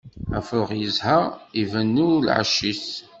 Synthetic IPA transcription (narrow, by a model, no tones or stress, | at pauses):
æfəʁjəzhəʁivænːilʕa̰ʃːis